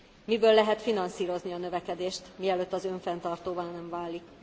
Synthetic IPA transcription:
mibøːlːɛɦɛt̪finɒnsiːɾo̞zniɒnø̞vɛkɛd̪eːʃt̪miɛløːt̪ːɒzø̞ɱfɛnt̪ɒrt̪oːvaːnɛɱvaːlik

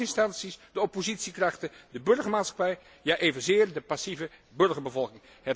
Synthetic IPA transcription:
ɪnstɑnsisdəɔpozitsikrɑχtədəbɵɹχəɹmaːtsχɑ̥pɛj | jaːʔejvənzɪːɹdəpasivəbɵɹχəɹbəvɔlˠkɪŋ | ɦɛt

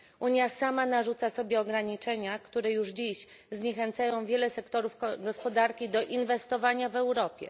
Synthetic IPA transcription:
ʔuɲjasamanaʐut̪sasɔbʲjɛɔɡɾaɲit͡ʂɛɲakt̪uɾɛjuʐd͡ʑiɕ | zɲɛxɛnt̪sajɔ̃w̃vʲjɛlɛsɛkt̪ɔɾufɡɔspɔd̪aɾkʲid̪ɔʔinvɛst̪ɔvaɲavɛwɾɔpʲjɛ̰

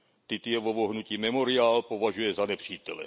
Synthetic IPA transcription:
t̪it̪ijɛʋɔʋɔɦnuciːmɛmɔɾiaːlpɔʋaʒujɛzanɛpr̝̥iːt̪ɛlɛ̰

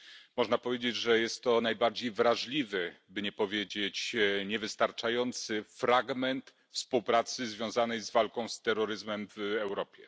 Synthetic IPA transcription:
mɔʐnapɔvʲjed͡ʑed͡ʑʐɛjɛst̪ːɔnajbaɾd͡ʑejvɾaʐlʲivɘbɘɲɛpɔvʲjed͡ʑet͡ɕɲɛvɘst̪aɾt͡ʂajɔnt̪sɘfɾaɡmɛnt̪ | fspuwpɾat̪sɘzvʲjɔ̃w̃zanɛjzvalkɔ̃w̃st̪ɛɾːɔɾɘzmɛmvɛwɾɔpʲjɛ

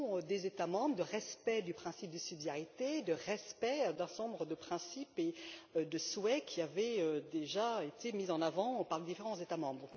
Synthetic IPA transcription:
ød̪ezet̪amɑ̃bʁəd̪əʁɛspɛd̪ypχɛ̃sip̚d̪əsyd̪jaʁit̪ed̪əʁɛspɛd̪ɛ̃sɔ̃bʁəd̪əpχɛ̃sipeød̪əswɛkʲʰiavɛød̪eʒaet̪emizɑ̃navɑ̃paʁled̪ifeʁɑ̃zet̪amɑ̃bʁ

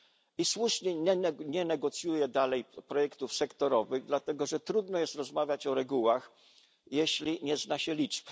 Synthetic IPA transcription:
iswuʂɲɛɛɲɛnɛɡɔt̪sʲjujɛd̪alɛjpɾɔjɛkt̪ufsɛkt̪ɔɾɔvɘɣd̪lat̪ɛɡɔʐɛt̪ɾud̪nɔjɛst̪ɾɔzmavʲjat͡ɕɔɾɛɡuwax | jeɕlʲiɲɛznaɕɛlʲit͡ʂp

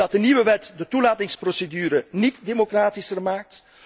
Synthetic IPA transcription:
ɑt̚dəniʋəʋɛtdətulaːtɪŋsprosedyːɾənitdemokraːtisərmaːk̚t

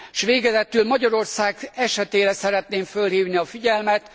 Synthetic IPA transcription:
ʃʋeːɡɛzɛt̪ylmɒɟɒɾo̞rsaːɡɛʃɛt̪eːɾɛsɛɾɛt̪neːɱfølhiːvniɒfiɟɛlmɛt̪

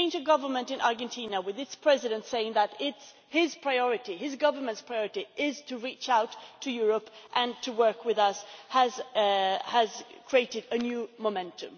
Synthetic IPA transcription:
ɪ̃ntəɡʌvə˞mə̃ntɨ̃nʔɑɹɡɨ̃ntʰĩnəwɨðɨtspʰɹ̥ɛzɨɾɨ̃ntseɪɪ̃ŋðəɾɪts | hɪz̥pʰɹ̥aɪɔɹɨɾiɪzɡʌvə˞mə̃ntspʰɹ̥aɪɔɹɨɾiʔɪz̥tʰɨɹit͡ʃaʊtʰːɨjʊɹəpʔɨ̃ntʰɨwɜ˞kʰwɨðʌshəz | əz̥kʰɹ̥ieɪɾɨɾɨnjʉmomɛ̃ntʰɨ̃m

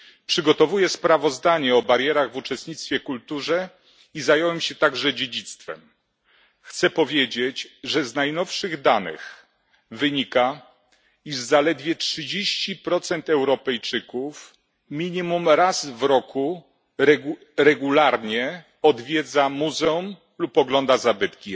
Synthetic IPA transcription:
pʂɘɡɔt̪ɔvujɛspɾavɔzd̪aɲɛɔbaɾjɛɾaɣvut͡ʂɛst̪̚ɲit̪st̪fʲjɛkult̪uʐɛ | izajɔwɛmɕɛt̪aɡʐɛd͡ʑed͡ʑit̪st̪fɛ̰m | xt̪sɛpɔvʲjed͡ʑet͡ɕʐɛznajnɔfʂɘɣd̪anɘ̰x | vɘɲika | iʐzalɛd̪vʲjɛtʂɘd͡ʑeɕt͡ɕipɾɔt̪sɛnt̪ɛwɾɔpɛjt͡ʂɘkuf | mʲiɲimumɾazvɾɔku | ɾɛ | ɾɛɡulaɾɲɛ | ɔd̪vʲjɛd̪zamuzɛum | lupɔɡlɔnd̪azabɘt̪kʲi

